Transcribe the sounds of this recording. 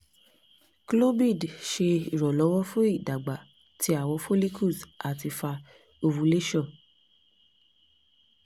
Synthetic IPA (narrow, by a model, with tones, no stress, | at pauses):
klo˦bi˦˨dʃe˧i˨ɾɔ˨lɔ˨˦wɔ˦fũ˦i˦˨da˨ɡ͡ba˨ | tʰi˦a˦˨wɔ˨˧˦fo˦li˦kʰu˦˨sa˨ti˧fa˧ | o˧wũ˨˧le˦ʃɔ˦˨